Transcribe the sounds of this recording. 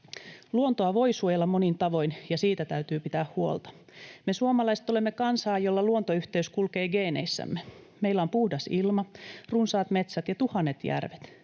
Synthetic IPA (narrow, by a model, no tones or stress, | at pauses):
luont̪oɑʋo̞isuojelːɑmonint̪ɑʋo̞injɑsiːt̪æt̪æyt̪yːpit̪æːhuo̰lt̪ɑ̥ | mesuomɑlɑise̥t̪olemːekɑnsɑːjolːɑluont̪oyht̪eyskulkeːɡe̞ːnḛisːæ̰mːe | meilːæompuhdɑsilmɑrunsɑːt̪met̪sæt̪jɑt̪uhɑnːet̪jæ̰rʋet̪